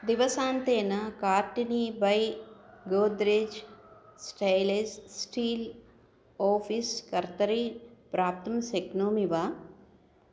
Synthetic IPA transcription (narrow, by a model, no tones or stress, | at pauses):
d̪iʋɐsãːnt̪eːnɐkaːɾʈinibɐjɡoːd̪ɾeːd͡ʒsʈɐjlessʈiːl | oːpʰiskɐɾt̪ɐɾipɾaːp̚t̪ɐmseknoːmiʋaː